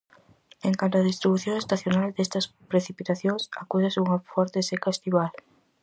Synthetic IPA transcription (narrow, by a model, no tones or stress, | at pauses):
eŋkant̪oaðist̪ɾiβuθjõŋest̪aθjonald̪est̪ɐspɾeθipit̪aθjõŋsakusɐsuŋɐfɔɾt̪esekaest̪iβal